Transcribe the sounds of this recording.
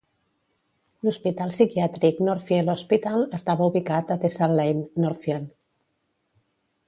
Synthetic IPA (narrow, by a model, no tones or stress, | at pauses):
luspit̪alˠsikjat̪ɾiknoɾfjelospit̪aləst̪aβauβikat̪at̪esaɾlejnnoɾfjel